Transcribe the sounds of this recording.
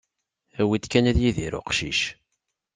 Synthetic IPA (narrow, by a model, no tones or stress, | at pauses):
æwit̪kænæðjiðiɾʊ̰qʃḭʃ